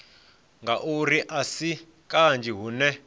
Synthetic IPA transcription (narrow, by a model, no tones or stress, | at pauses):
ŋɡaʔuriʔasi | kʼand͡ʒiɦunɛ